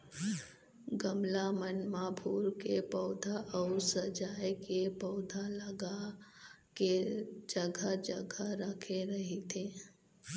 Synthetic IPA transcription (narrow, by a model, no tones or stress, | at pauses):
ɡəmlamənmaːbʱuːɾkepɔːd̪ʱaʔɔːɾsəd͡ʒaːjkepɔːd̪ʱaləɡa | ked͡ʒəɡʱad͡ʒəɡʱaɾəkʰeɾɐɦet̪ʰeː